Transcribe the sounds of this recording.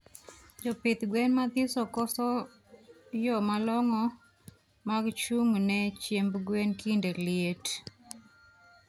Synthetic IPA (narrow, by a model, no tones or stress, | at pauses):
d͡ʒɔpɪt̪ɡwɛnmad̪ɪsɔkɔsɔ | jɔmalɔŋɔ | maɡt͡ʃuŋnɛt͡ʃjembɡwenkindeljet